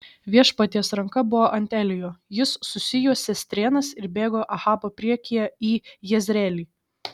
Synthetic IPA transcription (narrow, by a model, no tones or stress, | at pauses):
ʋʲiɛʃpɐt̪ʲiɛsɾɐŋkɐbʊʋoːʔɐnʲt̪ʲælʲɪjoːjɪsːʊsʲɪjuɔsʲɛsʲt̪ʲɾʲeːnɐsɪɾbʲeːɡoːʔɐxɑːboːpʲɾʲiɛkʲijɛiːjɛzʲɾʲɛːlʲiː